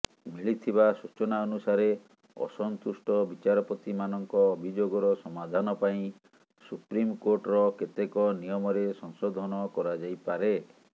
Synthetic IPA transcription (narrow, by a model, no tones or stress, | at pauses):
miɭit̪ʰibasut͡ʃɔnaɔnusaɾe | ɔ̰sɔnt̪usʈɔbit͡ʃaɾɔpɔt̪imanɔŋkɔːbʱid͡ʒoɡɔɾɔsɔmad̪ʱanɔpaĩ | supɾimkoɾʈɔɾɔket̪ekɔnijɔmɔɾesɔŋsɔd̪ʱɔnɔkɔɾad͡ʒajpaɾe